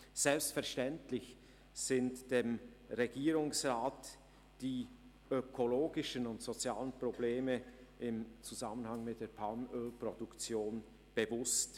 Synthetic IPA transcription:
z̥ɛlpstfɛɐʃtɛntlɪç | z̥ɪntd̥eːmʁeɡiːʁʊŋsʁaːt | d̥iː | økʰoloːɡɪʃənʊntz̥ot͡sjaːlənpʁ̥obleːməʔɪmt͡suzamənhaŋmɪt̚d̥eːɐpʰalmøːlpʁ̥odukt͡sjoːn | b̥əvʊst

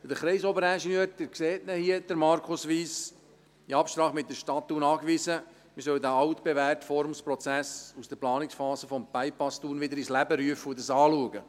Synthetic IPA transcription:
d̥̪əχɾɛɪsobəɾæʃinøːɾd̥̪ɪɾkseːtnəhiəd̥̪əɾmɑɾkʰʊsʋiːs | iɑpʃt̪ɾɑːχmɪt̚dəʃtɑt̪ːuːnɑːkʋisə | mɪsœld̪æɑwt̪b̥eværtfɔɾmspɾɔt͡sæsusd̥əɾplɑːnɪksfɑːsəfɔmpæɪpɑstuːnʋɪd̪əɾislæbəɾyəfəʊd̪ɑsɑːluəɡə

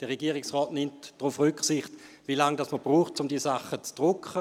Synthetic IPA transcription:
d̥ɛʁeɡiːʁɪksʁɔːtnɪmtd̥ʁʊfʁʏksɪχt | vilaŋdasməb̥ʁuːχt̚t͡sʊmdiːsaχːət͡sd̥ʁʊkχə

